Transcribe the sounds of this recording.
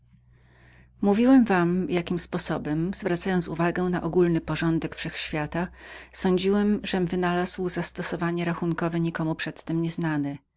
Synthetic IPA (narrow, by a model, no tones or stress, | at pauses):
muvʲiwɛmvamjakʲimspɔsɔbɛmz̥vɾat̪sajɔnt̪suvaɡɛ̃naʔɔɡulnɘpɔʐɔnd̪ɛkfʂɛxɕfʲjat̪asɔɲd͡ʑiwɛmʐɛmvɘnalazwzast̪ɔsɔvaɲɛɾaxuŋkɔvɛɲikɔmupʂɛt̪ːɘmɲɛznanɘ